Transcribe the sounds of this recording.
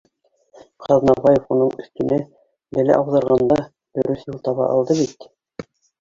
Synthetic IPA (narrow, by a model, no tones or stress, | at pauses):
qɑðnɑβɑjefunɤɴɵ̆θt̪ɘ̆nɘ | bælæ̰ʔɑwðɑɾʁɑnd̪ɑ | d̪̥ɵ̆ɾɵθjulˠt̪ɑβɑ̰ʔɑ̰lˠd̪ɤβit̪